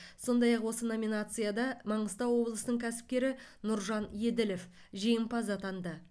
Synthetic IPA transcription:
so̞nd̪ɑjɑqwo̞səno̞mʲinat̪sɨjad̪ɑmɑɴəst̪ɑwwo̞blˠəsənəɴkʲʰæsɪ̥p̚kʲe̞ɾɪnʊɾʒɑnje̞d̪ɪlef | ʒijɪmpɑzɑt̪ʰɑnd̪ə

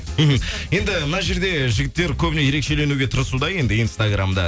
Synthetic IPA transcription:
m̩ɦm̩je̞nd̪ɪmənɑʒe̞ɾd̪e̞ʒɪɡʲɪt̪ːe̞ɾkʲʰɵbɪneje̞ɾe̞kʃe̞le̞nuɡʲe̞t̪ʰəɾəsud̪ɑje̞nd̪ɪinst̪aɡramd̪ɑ̰

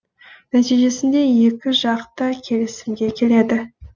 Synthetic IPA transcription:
næt̪ijʒe̞sɪnd̪e̞je̞kʲɪʒɑqt̪əkʲʰe̞lɪsɪmɡʲe̞kʲʰe̞le̞d̪ɪ

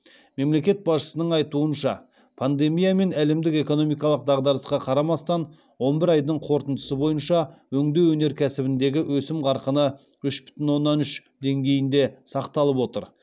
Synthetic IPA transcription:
me̞mle̞kʲe̞t̪̚bɑsʃə̥sənəɴɑjt̪uənʃɑ | pʰand̪e̞mijame̞næle̞md̪ɪke̞ko̞no̞mijkɑlˠəq̚d̪ɑʁd̪ɑɾəsqɑqʰɑɾɑmɑst̪ɑn | wo̞nbɪɾɑjd̪əɴqʰo̞ɾt̪ənd̪əsəbo̞jənʃɑwɵŋd̪e̞wɵne̞ɾkʲʰæsɪbɪnd̪e̞ɡʲɪwʔɵsɪmʁɑɾqənə | ʏʃbʏ̥t̪ɪnwo̞nːɑnʏʃd̪e̞ŋɡʲe̞jɪnd̪e̞sɑqt̪ɑlˠəpwo̞t̪əɾ

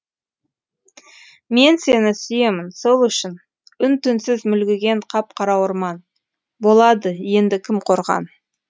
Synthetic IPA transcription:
me̞nse̞nɪsʏje̞mɪnso̞lˠʏʃɪn | ʏnt̪ʏnsɪzmʏlɡʲɪɡʲe̞ɴqʰɑp̚qʰɑɾɑwəɾmɑn | bo̞lˠɑd̪əje̞nd̪ɪkʲʰɪmqʰo̞ɾʁɑ̰n

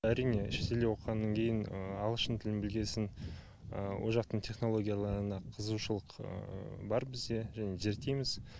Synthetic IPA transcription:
æɾijne̞ʃet̪e̞lewo̞qʁɑnːɑŋkʲʰe̞jɪnəɑlˠəʃənt̪ʰɪlɪnbɪlɡʲe̞sɪn | əwʔo̰ʒɑq̚t̪əɴt̪ʲʰe̞χno̞lˠo̞ɡʲijalˠɑɾənɑqʰəzuʃəlˠəqə̰bɑɾbɪzd̪e̞ʒæne̞ʒe̞ɾt̪ejmɪz

